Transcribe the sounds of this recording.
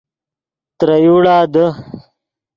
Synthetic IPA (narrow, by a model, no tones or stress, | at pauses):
t̪ɾɐjuːɽaːd̪ə